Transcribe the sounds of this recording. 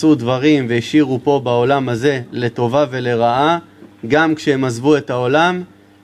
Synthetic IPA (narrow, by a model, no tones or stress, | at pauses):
sud̪vaʁimveiʃiʁupo̞bao̞lamhaze̞le̞t̪o̞vave̞le̞ʁaʔaɡamkʃehemazvue̞t̪aolam